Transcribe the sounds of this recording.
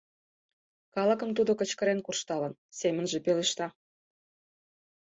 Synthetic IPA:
kɑlə̆kə̆mt̪̬ud̪okə̆t͡ɕkə̆ɾenkurʃt̪ɑlə̆nsemə̆nʒepeleʃt̪ɑ

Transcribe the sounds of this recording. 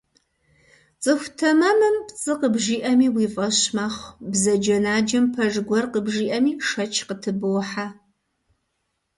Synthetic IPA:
t͡sʼɨxʷtʰɐmɐmɨmpt͡sʼɨqəbʒiːʔɐmiːwiːfʼɐɕmaχʷbzɐd͡ʒɐnaːd͡ʒɐmpʰɐʐɡʷɔrqəbʒiːʔɐmiːʂɐt͡ʃʰqətʰɨbɨwħa

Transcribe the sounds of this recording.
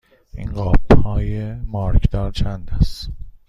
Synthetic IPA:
ḭnɢɒːbhɒːjemɒːɾcʰd̪ɒːɾt͡ʃʰænd̪æst̪

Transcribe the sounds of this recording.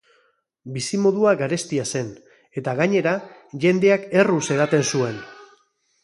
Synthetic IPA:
bisimo̞ðuaɡaɾe̞st̪iase̞n | e̞t̪aɣaɲe̞ɾaʝe̞nd̪e̞ake̞ruse̞ðat̪e̞nsue̞n

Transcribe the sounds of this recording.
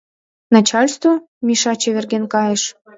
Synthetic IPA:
nɑt͡ɕɑlʲst̪vo | miʃɑt͡ɕeβerɣenkɑjəʃ

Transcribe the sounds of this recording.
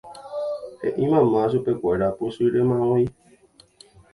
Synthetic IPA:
ḛʔĩmãmãs̬upekʷaeɾaposuiɾemãwõi

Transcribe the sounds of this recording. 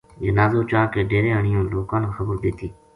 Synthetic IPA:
d͡ʒənaːzoːt͡ʃaːkeːɖeːɾẽːəɳɪjõːloːkãːnkaxəbəɾd̪eːt̪iː

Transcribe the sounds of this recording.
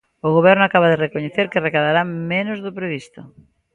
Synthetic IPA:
ʊɣoβ̞ɛɾnʊakaβaðerekoɲeθeɾkerekaðaɾamẽnozðʊpɾeβ̞ist̪ʊ

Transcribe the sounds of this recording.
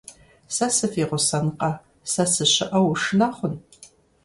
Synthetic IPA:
sɐsɨfiːʁʷʊsɐnqɐ | sɐsɨɕɪʔɐwʂɨnaːχʷʊn

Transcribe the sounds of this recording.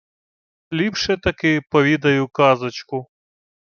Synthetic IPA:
lipʂet̪ɐkepɐwid̪ɐjukɑːzɐt͡ʃko

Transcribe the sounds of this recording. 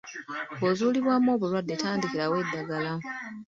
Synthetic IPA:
ɡozuːliβwamo̞ːβulwadːetaːndiciɾawedːaɡala

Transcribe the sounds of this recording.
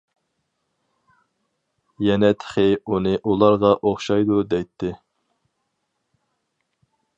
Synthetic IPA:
jɛnɛt̪ʰɪ̥χɪunɨʔulˠɑɾʁɑʔoχʃɑjd̪ud̪ɛjt̪ʰːɪ

